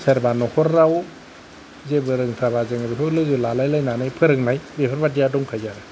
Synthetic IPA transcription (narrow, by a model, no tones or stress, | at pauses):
seɾbanɔhɔɾɾaw | zebɯɾɯŋtʰɾabazɯŋɾipʰɯlɯzɯlalajlajnanajpʰɯɾɯŋnajbepʰɯɾbadijadɔŋkʰajzaɾɯ